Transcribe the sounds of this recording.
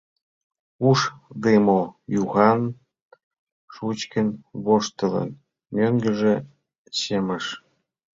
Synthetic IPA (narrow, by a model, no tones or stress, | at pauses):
uʃd̪emojuɣɑn | ʃut͡ɕkənβoʃt̪ələ̰n | møŋɡə̆ʒĕ | ɕeməʃ